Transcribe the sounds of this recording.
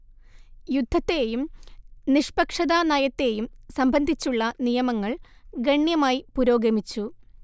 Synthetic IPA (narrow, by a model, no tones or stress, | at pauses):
jud̪ʱːɐt̪ːejumniʂpɐkʂɐðanɐjɐt̪ːe̞ːjumsɐmbʱɐnd̪ʱit͡ɕːuɭːɐnijɐmɐŋːɐɭɡɐɳjɐmaːjipuɾo̞ːɡɐmit͡ɕːu